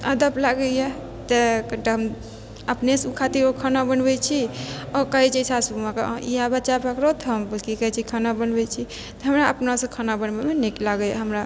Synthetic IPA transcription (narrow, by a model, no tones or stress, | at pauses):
ə̰d̪əplaɡəje | t̪ekəʈeɦəm | əpnesukʰat̪iɾokʰanabənbɛt͡ʃʰiɔkəɦit͡ʃʰisʰasubumãka̰ijabət͡ʃabəkɾot̪ɔɦəmbəlkikəjt͡ʃʰikʰanabənbɛt͡ʃʰi | t̪ɔɦəmɾaəpnasẽkʰanabənbemeniklaɡəɦəmɾa